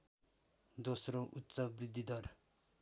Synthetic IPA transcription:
d̪osroʔutːsʌbrid̪ʱːid̪ʌr

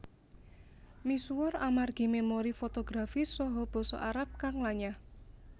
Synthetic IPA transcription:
misuwɔramarɡ̥i̤memoɾifot̪oɡ̥ɾafisɔɦɔb̥ɔ̤sɔ̰ʔaɾap̚kaŋlaɲah

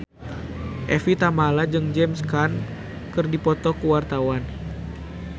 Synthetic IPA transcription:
ʔɛfit̪amalad͡ʒɨŋd͡ʒɛmskan | kɨrdipɔt̪ɔkuwart̪awan

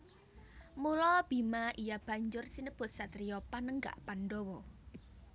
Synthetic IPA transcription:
mulɔb̥imaʔijab̥a̤ɲd͡ʒʊrsinəb̥ʊt̪̚sat̪ɾiɔpanəŋɡa̰ʔpanɖɔwɔ

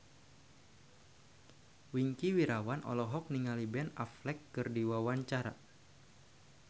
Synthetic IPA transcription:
wiŋkiwiɾawanʔɔ̰lɔɦɔk̚niŋalibɛna̰flɛkːɨrdiwawaɲt͡ʃaɾa̰

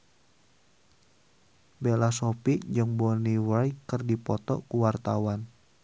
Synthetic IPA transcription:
belasɔpiʔd͡ʒɨŋbɔniwajkɨrdipɔt̪ɔkuwart̪awan

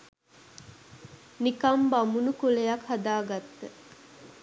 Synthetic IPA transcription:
nikɐmbamunukulejakhad̪aːɡat̪ːə

